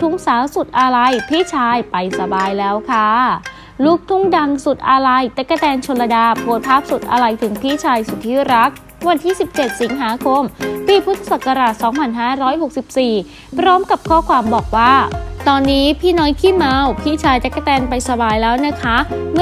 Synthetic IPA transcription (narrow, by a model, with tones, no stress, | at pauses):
t̪ʰu˦˥ŋsaː˩˦wsu˨˩t̪̚ʔa˧ɾa˧jpʰiː˥˩t͡ɕʰaː˧jpa˧jsa˧baː˧jlɛː˦˥wkʰa˦˥˩ | lu˦˥k̚t̪ʰu˦˥ŋda˧ŋsu˨˩t̪̚ʔa˧ɾa˧jt̪ɛ˦˥kːa˧t̪ɛː˧nt͡ɕʰo˧la˧daː˧pʰu˨˩˦t̪̚pʰaː˥˩p̚su˨˩t̪̚ʔa̰˧ɾa˧jt̪ʰɯ˨˩˦ŋpʰiː˥˩t͡ɕʰaː˧jsu˨˩t̪ʰːiː˥˩ɾa˦˥k̚ | wa˧nt̪ʰiː˥˩si˨˩p̚t͡ɕe˨˩t̪̚si˩˦ŋɦaː˩˦kʰo˧mpiː˧˩pʰu˦˥t̪ʰːḁ˧sa˨˩kːa˧ɾaː˨˩t̪̚sɔː˩˦ŋpʰa˧˩nɦaː˥˩ɾɔː˦˥jho˨˩k̚si˨˩p̚siː˨˩ | pʰɾɔː˦˥mka˨˩p̚kʰɔː˥˩kʰwaː˧mbɔː˨˩k̚waː˥˩t̪ɔː˧nːiː˦˥pʰiː˥˩nɔː˦˥jkʰiː˥˩ma˧wpʰiː˥˩t͡ɕʰaː˧jt̪ɛ˦˥kːa˧˩t̪ɛː˧npa˧jsa˧baː˧jlɛː˦˥wna˦˥kʰa˦˥mɯ˥